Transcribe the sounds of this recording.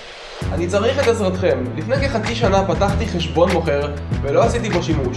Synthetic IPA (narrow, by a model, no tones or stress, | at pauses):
anit͡saʁiχet̪esʁat̪χe̞mlifne̞jkeχat͡siʃanapat̪aχt̪iχe̞ʃbo̞nmo̞χe̞ʁvelo̞asit̪iboʃimuʃ